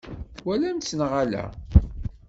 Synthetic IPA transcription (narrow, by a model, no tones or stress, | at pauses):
wælæmsnʁalæ̰